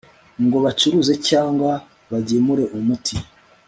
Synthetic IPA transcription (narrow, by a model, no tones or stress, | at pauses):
ŋɡo̞βat͡ʃuɾuze̞caːŋɡwa | βaɟemuɾe̞ʔumutʰi